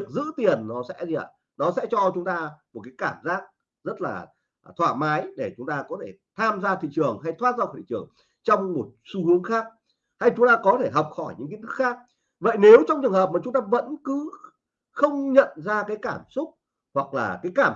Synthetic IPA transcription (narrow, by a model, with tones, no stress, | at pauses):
ək̚zɨ̰˧˥t̪i˨˩ənnɔ˨˦sɛ̰˧˥zḭ˨˩˨ | nɔ˨˦sɛ̰˧˥t͡ɕɔ˧t͡ɕʊ˨˦ŋ͡mt̪aː˧mo˨˩kaː˨˦jkaː˧˩mzaː˦˥k̚ | zə˦˥t̚la̰ː˨˩ | t̪ʰwaː˧˩maː˨˦jɗe˧˩t͡ɕʊ˨˦ŋ͡mt̪aː˧kɔ˨˦t̪ʰe˧˩t̪ʰaː˧mzaː˧t̪ʰḭ˧˨t͡ɕɨ˨˩əŋɦa˧jt̪ʰwaː˦˥t̚zaː˧wt̪ḭ˧˨t͡ɕɨ˨˩əŋ | t͡ɕɔ˧wŋ͡mmo˨˩t̚su˨˧˦hɨ˨˦əŋxaː˦˥k̚ | ha˧jt͡ɕʊ˨˦ŋ͡mt̪aː˧kɔ˨˦t̪ʰe˧˩ɦɔ˨˩wk͡p̚xɔ˧˩jɲɨ̰˧˥ŋki˧˦nt̪ʰɨ˦˥kxaː˦˥k̚ | və̰˧˨jne˨˦wt͡ɕɔ˧wŋ͡mt͡ɕɨ˨˩əŋɦəː˨˩p̚ma˨˩t͡ɕʊ˨˦ŋ͡mt̪aː˧və̰˧˥nkɨ˨˦ | xə˧wŋ͡mɲə̰˧˨nzaː˧kaː˨˦jkaː˧˩msʊ˦˥k͡p̚ | hwa˨˩k̚laː˨˩kaː˨˦jkaː˧˩